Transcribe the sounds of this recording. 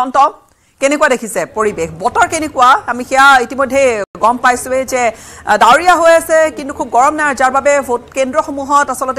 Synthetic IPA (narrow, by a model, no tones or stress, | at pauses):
ɔntɔ | kɛnekuwadekʰisɛpoɹibexbɔtɔɹkenekuwaamixɛjaitimɔjdʱejɡɔmpajsʊɛzɛdaɹiaɦojasɛkintukʰub̚ɡɔɹɔmnaɹzaɹbabɛotkendɹɔxomuɦɔtasɔlɔtɛ